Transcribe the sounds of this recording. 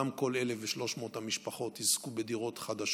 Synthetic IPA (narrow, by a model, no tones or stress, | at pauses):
amko̞lelefveʃlo̞ʃmo̞ːthamiʃpaχo̞t̪hizkubed̪iʁo̞t̪χad̪aʃ